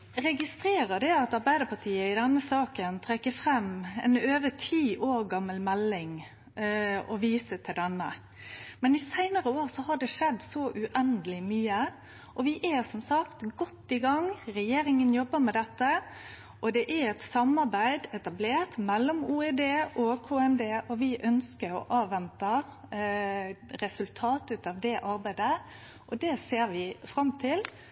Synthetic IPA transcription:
ɾɛɡɪst̪ɾeːɾəd̪ɛɑt̪ɑɾbæɪd̪əpʰɑt̪ʰiːəɪd̪ɛnːəsɑːkənt̪ʰɾɛkːəfɾɛmɛ̰nøːʋət̪ʰiːʔoːɾɡɑmːəlmɛlːɪŋ | ɔʋiːsət̪ʰɪld̪ɛnːə̰ | mɛnɪsæɪnəɾəoːɾsɔhɑɖɛʂɛd̪ːsɔʔʉʔɛnd̪əlɪmyːə | ʔɔʋɪʔæsɔmsɑkt̪ɡɔt̪ːɪɡɑŋɾɛjeːɾɪŋənjɔbːəɾmɛd̪ɛt̪ːə | ʔɔd̪ɛʔæɾɛt̪sɑmɑɾbæɪd̪ɛt̪ɑbleːɾt̪mɛlːɔmuːɛd̪eːʔokʰoːɛnd̪eːʔɔʋɪʔœnskəɾɔ̰ʔɑːʋːɛnt̪ə | ɾɛsʉlt̪ʰɑːt̪ʉt̪ɑːʋd̪ɛʔɑɾbæɪd̪ə | ʔɔd̪ɛseːɾʋɪfɾɑmt̪ʰɪl

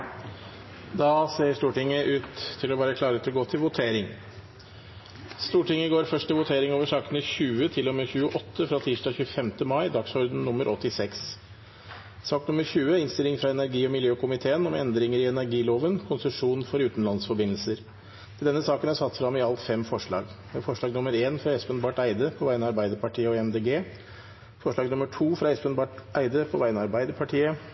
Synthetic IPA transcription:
d̪ɑːseːʂt̪uːʈɪŋːəʔʉːt̪ʰːɪlɔʋɑːɾəkʰlɑːɾət̪ʰlɔɡoːt̪ʰɪlʋʊt̪ʰeːɾɪŋ | st̪uːʈɪŋːəɡoːɾfœʂʈ̪ʰɪlʋʊt̪ʰeːɾɪŋoːʋəʂɑːkənəçʉːət̪ʰɪlːɔmeːçʉːəʔɔt̪ʰːəfɾɑːt̪ʰiːʂdɑːçʉːəfɛmt̪əmɑɪd̪ɑksɔɾd̪n̩nʊmːəɾʔɔt̪ːɪsɛks | sɑːk̚t̪nʊmːəɾçʉːəɪnst̪ɪlɪŋfɾɑɛnæɾɡiːɔmɪljøːkʊmɪt̪ʰeːənɔmɛ̰nd̪ɾɪŋəɾɪɛnæɾɡiːloːʋənkʰʊnsəʂuːnfɔɾʉːt̪n̩lɑnsfɔɾbɪnlsəɾ | t̪ʰɪld̪ɛnːəsɑːkənæɾsɑt̪ːfɾɑmːɪɑlt̪fɛmfɔʂɭɑ̰ːɡ | ɛfɔʂɭɑːɡnʊməɾeːnfɾɑɛspənbɑːʈæɪd̪əpʰɔʋæɪənəɑɾbæɪd̪əɾpʰɑʈʰiːəɔɛmd̪eːɡeː | fɔʂɭɑːɡnʊməʈʰuːfɾɑɛspənbɑːʈʔæɪd̪əpʰɔʋæɪənɑɾbæɪd̪əpʰɑʈʰiːə

